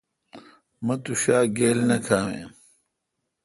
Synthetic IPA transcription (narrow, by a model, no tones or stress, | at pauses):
mɐt̪uɕaːɡeːlnɐkʰaːwḛ̃ːm